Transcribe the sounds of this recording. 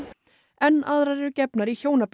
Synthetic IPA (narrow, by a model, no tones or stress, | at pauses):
ɛnːaðɾaɾɛɾʏcɛpnaɾiçoːwnap